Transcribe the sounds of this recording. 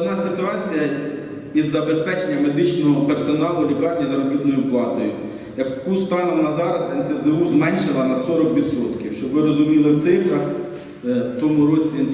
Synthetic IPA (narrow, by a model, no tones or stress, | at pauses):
d̪nɑsɪt̪ʊɑt͡sʲijɐ | izːɐbe̞spɛt͡ʃenʲːɐme̞d̪ɪt͡ʃnɔɦɔpersɔnɑlˠʊlʲikɑrʲnʲɐzɐɾɔbʲit̪nɔjʊplˠɑt̪ɔjʊ | jɐkkːust̪ɑnɐʋɔnɑzɑɾɐzɛnsezeuzmɛnʲʃɪlˠɐnɐsɔɾɔkʋʲid̪sɔt̪kʲiwʃt͡ʃɔbʋɪɾɔzʊmʲilˠɪt̪sɪfɾɐ | wt̪ɔmʊɾɔt͡sʲiɛn